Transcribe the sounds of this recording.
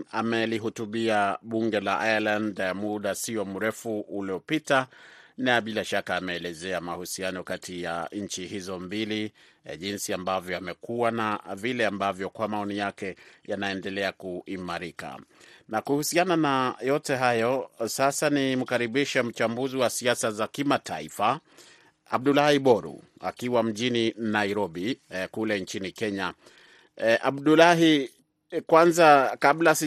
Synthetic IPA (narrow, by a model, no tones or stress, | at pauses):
amɛliɦutuɓiaɓuŋɡɛlaʔajalandmuɗasiɔmuɾɛfuːliɔpitanaɓilaʃakaːmɛːlɛzɛamahusianɔkatija̰ɲ̩t͡ʃiɦizɔmbili | ʄinsiambavjɔamɛkuwanavilɛambavjɔkwamaɔnijakɛjanaɛndɛlɛakuimaɾika̰ | nakuhusiananajɔtɛɦajɔsasanim̩kaɾiɓiʃam̩t͡ʃambuziwasiasazakimataifa | a̰b̚dulahiɓɔɾṵ | a̰kiwam̩ʄininaiɾɔɓikulɛnt͡ʃinikɛɲa | ʔabɗulaɦi | kwanzakablasi